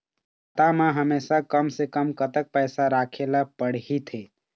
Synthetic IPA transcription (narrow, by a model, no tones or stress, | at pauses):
t̪amẽɦəmesakəmsekəmkət̪ək̚pəɪsaɾakʰelapəɽ̤ɦit̪ɦe